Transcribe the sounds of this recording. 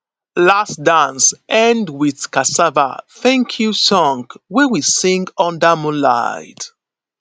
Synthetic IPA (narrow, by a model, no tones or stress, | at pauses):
lasdãnsʔɛ̃ndwið̥kasava̰θɛ̃ŋkʰjusɔ̃ŋɡwɛwisĩŋɡɔ̃ndamɔ̃nla̰ɪd